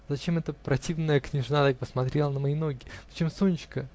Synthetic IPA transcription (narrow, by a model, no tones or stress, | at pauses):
zɐt͡ɕe̞mɛt̪əpɾɐtʲivnəjəknʲɪʐnat̪ak̚pəsmɐt̪ɾʲelˠənəmɐino̞ɡʲɪ̥ɐt͡ɕe̞msonʲɪt͡ɕkə